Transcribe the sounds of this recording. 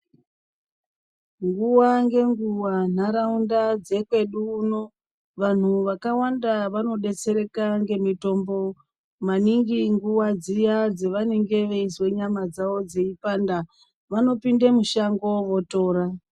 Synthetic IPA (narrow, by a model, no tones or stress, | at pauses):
ŋɡuwaŋɡe̞ŋɡuwan̤aɾaundad͡ze̞kwe̞ɗuːno̞ | ʋan̤uʋakawandaʋano̞ɗe̞t͡se̞ɾe̞kaŋɡe̞mito̞mbo̞ | maniŋɡiŋɡuwad͡zijad͡zeʋaneŋɡe̞ʋe̞iswe̞ɲamad͡zao̞d͡ze̞ipanda | ʋano̞pindemuʃaŋɡo̞ʋo̞to̞ːɾa